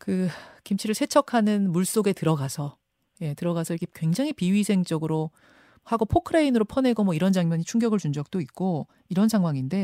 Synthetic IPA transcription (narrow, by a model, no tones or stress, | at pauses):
kɯkimt͡ɕʰiɾɯɭsʰe̞t͡ɕʰʌkʰanɯnmuɭs͈oɡe̞tɯɾʌɡasʰʌ | je̞tɯɾʌɡasʰʌikekwe̞ŋd͡ʑaŋɦipiɥisʰe̞ŋt͡ɕ͈ʌɡɯɾo | haɡopʰokʰɯɾeinɯɾopʰʌne̞ɡomʌiɾʌnd͡ʑaŋmjʌɲit͡ɕʰuŋɡjʌɡɯɭt͡ɕund͡ʑʌk̚t͈oik̚k͈o | iɾʌnsʰaŋwaŋinde̞